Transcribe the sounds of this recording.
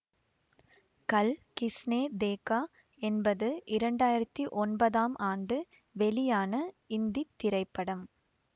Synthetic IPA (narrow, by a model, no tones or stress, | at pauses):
kɐlkɪsneːd̪eːkːaː | ɛnbɐðɯʔɪɾɐɳɖaːjɪɾɐt̪ːiʔɔnbɐðaːmʔaːɳɖɯ | ʋɛlɪjaːnɐɪnd̪it̪ːɪɾɐɪpːɐɽɐm